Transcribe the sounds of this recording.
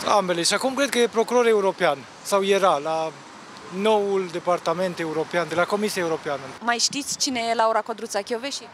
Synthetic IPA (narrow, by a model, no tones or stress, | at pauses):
ambe̞le̞ʃiakumkɾekəjepɾo̞kuɾo̞ɾeuɾo̞pean | sawje̞ɾala | no̞wuld̪e̞part̪ame̞nt̪e̞uɾo̞peand̪e̞lako̞misiaeuɾo̞peanəmajʃt̪it̪sʲt͡ʃinejelauɾakod̪ɾut̪sakʲoveʃi